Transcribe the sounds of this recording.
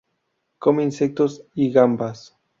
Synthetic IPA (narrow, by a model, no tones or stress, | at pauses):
komeinsek̚t̪osiɣambas